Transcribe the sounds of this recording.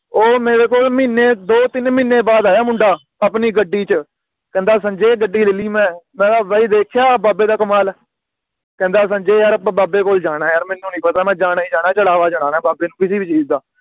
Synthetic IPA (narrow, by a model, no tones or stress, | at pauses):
oːmeːɽeːkoːlmiːneːd̪oːt̪ɪnmɪnːeːbaːd̪aːjaːmʊɳɖaː | əpniːɡəɖːiːt͡ʃə | kɛ̃ːnd̪aːs̬ə̃ɲd͡ʒeːɡəɖːiːlɪliːmɛ̃ːmɛ̃ːaʋəiːd̪eːkʰjaːbaːbeːd̪aːkəmaːl | kɛ̃ːnd̪aːs̬ə̃ɲd͡ʒeːaːɾbaːbeːkoːld͡ʒaːɽ̃ãːjaːɾmɛnːũːnĩːpət̪aːmɛ̃ːd͡ʒaːnaːiːd͡ʒaːɽ̃aːt͡ʃəɽaːʋaːd͡ʒəɽaːnaːbaːbeːnũːkɪsiːbiːt͡ʃiːzd̪aː